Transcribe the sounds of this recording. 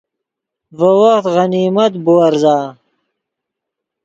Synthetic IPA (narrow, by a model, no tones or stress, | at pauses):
vɐwɐxt̪ʁɐniːmɐt̪buɐɾzaː